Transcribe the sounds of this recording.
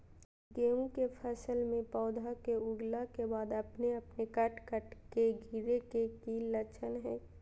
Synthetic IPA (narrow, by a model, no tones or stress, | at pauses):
ɡeːũkepʰəsəlmẽpɔːd̪ʱakeʊɡlakebaːd̪ɐpneɐpnekəʈʰkəʈkeɡʱiɾekekiːllət͡ʃʰənɦɛ̃ː